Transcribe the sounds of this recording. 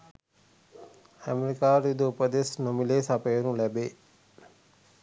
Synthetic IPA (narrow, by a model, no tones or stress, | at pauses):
əmeɾikaːɾid̪upəd̪esnomileːsapəjəɾũlɛbe